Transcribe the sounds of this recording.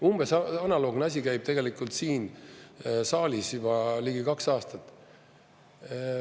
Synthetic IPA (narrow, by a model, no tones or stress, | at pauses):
umb̥esɑɑnɑlo̞ːɡ̥nɑs̬ʲikæjb̥̚t̪e̞ɡe̞likˑult̪siːn | sɑːlʲisjub̥ɑliɡ̥ikɑksɑːst̪ɑt̪ˑː